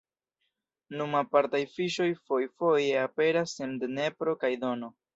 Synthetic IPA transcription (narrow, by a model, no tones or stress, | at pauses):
numapaɾtajfiʃo̞jfo̞jfo̞je̞ape̞ɾasendne̞pɾo̞kajdo̞no̞